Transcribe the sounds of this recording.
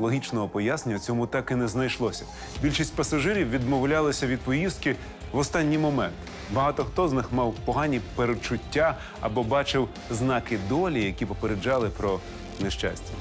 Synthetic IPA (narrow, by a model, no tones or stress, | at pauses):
lˠɔɦʲit͡ʃnɔɦɔpɔjasneɲʲɐt͡sʲɔmut̪ɑkɪnɛznɐjʃlˠɔsʲɐ | bʲilʲʃisʲtʲpɐsɐʒɪɾʲiwʋʲid̪mɔwlʲalˠɐsʲɐʋʲid̪̚pɔjist̪̚kɪ | ʋɔst̪ɑnʲːijmɔmɛnt̪ | bɐɦɑt̪ɔxt̪ɔznɪxmɑwpɔɦɑnʲipeɾet͡ʃʊtʲːa | ɐ̰bɔbɑt͡ʃɪw | znɑkɪd̪ɔlʲijɐkʲipɔpeɾed͡ʒɑlˠɪpɾɔ | neʃt͡ʃa̰sʲtʲɐ